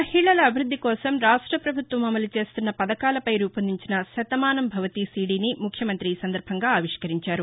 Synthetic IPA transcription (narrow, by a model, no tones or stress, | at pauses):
mɐhiɭɐlɐːbʱiɾud̪ʱːikɔːsɐmɾaːʂʈɾɐpɾɐbʱut̪ʋɐmɐmɐlut͡ʃe̞ːst̪unːɐpɐd̪ɐkaːlɐpɐjɾuːpɐnd̪iɲt͡ʃinɐʃɐt̪ɐmaːnɐmbʱɐʋɐt̪isiːɖiːnimukʰjɐmɐnt̪ɾiːsɐnd̪ɐɾbʱɐŋɡaːaːʋiʂkɐɾiɲt͡ʃaːɾu